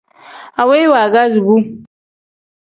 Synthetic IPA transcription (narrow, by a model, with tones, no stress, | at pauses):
a˨we˦jwa˨ɡa˦zbu˦